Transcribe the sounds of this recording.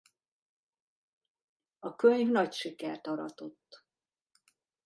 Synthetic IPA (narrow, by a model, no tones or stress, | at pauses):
ɒkøɲvnɒcʃikɛrt̪ɒɾɒ̰t̪o̞t̪ː